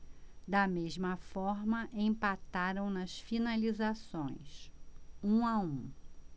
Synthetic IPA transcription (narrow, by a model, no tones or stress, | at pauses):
d̪ɐmeʒmɐfɔɾmɐʔẽpat̪aɾɐ̃w̃nɐsfinalizasõj̃s | ũaũ